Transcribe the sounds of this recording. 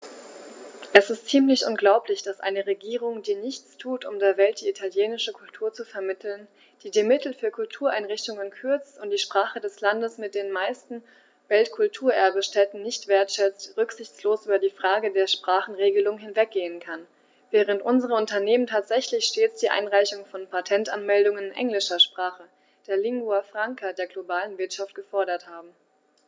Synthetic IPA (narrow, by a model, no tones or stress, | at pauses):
ʔɛsɪstt͡siːmlɪçʔʊ̰nɡlaʊplɪçd̥asʔa̰ɪnəʁeɡiːʁʊŋdiːnɪçt͡stʰuːtʰʊ̰mdeːɐvɛlt̚d̥iːitʰaljeːnɪʃəkʰʊltʰuːɐt͡sufɛɐmɪtʰl̩n | d̥iːdiːmɪtl̩fyːɐkʰʊltʰuːɐʔaɪnʁɪçtʊŋənkʰʏɐt͡stʊnt̚d̥iːʃpʁ̥aːχədɛslandəsmɪt̚d̥eːnmaɪstn̩ | vɛltkʰʊltʰuːɐʔɛɐbəʃtɛtn̩nɪçtv̥eːɐtʃɛt͡stʁʏkz̥ɪçt͡sloːsʔyːbɐdiːfʁ̥aːɡədeːɐʃpʁ̥aːχn̩ʁeːɡəlʊŋhɪnvɛk̚ɡ̥eːənkʰan | vɛːʁ̞əntʔʊnzəʁəʊntɐneːməntʰaːtz̥ɛçlɪçʃteːt͡sd̥iːʔa̰ɪnʁaɪçʊŋfɔnpʰatʰɛntanmɛldʊŋənɪnʔɛ̰ŋlɪʃɐʃpʁ̥aːχə | d̥eːɐlɪŋɡuafʁ̥aŋkʰadeːɐɡlobaːlənvɪɐtʃaft̚ɡ̥əfɔɐɾɐthaːbm̩